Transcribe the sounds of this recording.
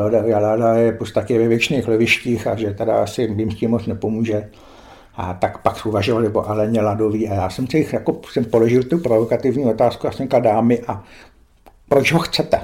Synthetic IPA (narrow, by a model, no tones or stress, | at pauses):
lodaaladajɛpust̪akɪɛvɛvjɛt͡ʃneːxlɛvɪʃciːxaʒɛt̪ɛda̰asɪvɪmsciːmːot͡snɛpomuːʒɛ | ʔat̪akpaksuvaʒovalɪvo̰ʔalɛɲɛladoviːajaːsɛmsɛxjakosɛmpolo̞ʒɪlt̪upɾovokat̪ɪvɲiːo̞t̪aːskujasɛmɲkaldaːmɪʔa | pɾot͡ʃɦoxt͡sɛt̪ɛ